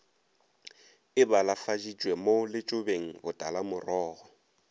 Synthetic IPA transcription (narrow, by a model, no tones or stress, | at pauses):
ɪbalafad͡ʒid͡ʒʼwemolɪt͡ʃʼʊbeŋ̩hʊtʼalamʊrɔːɣɔ